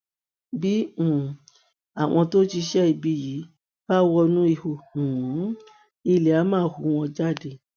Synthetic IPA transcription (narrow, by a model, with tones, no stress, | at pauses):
bĩ˨˦˨ | a˨w̃ɔ̃˧to˦ti˧ʃɛ˦i˧˨bi˧ji˨˦ | b̥a˦wɔ˧nũ˦i˧ho˧˨ũ˨˦ | i˧le˨a˨˦mãː˦˨hu˨˦w̃ɔ̃˧d͡ʒa˦˨de˧˨